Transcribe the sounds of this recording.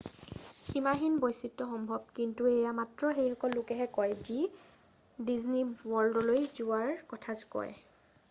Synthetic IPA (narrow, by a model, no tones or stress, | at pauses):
ximaxinbɔjsitːɔxɔmbʱɔb̚kintuejamatɹɔxejxɔkɔlːokɛɦɛkɔjzi | dizniwɔɹldɔlojzuwaɹkɔtʰazkɔ̰j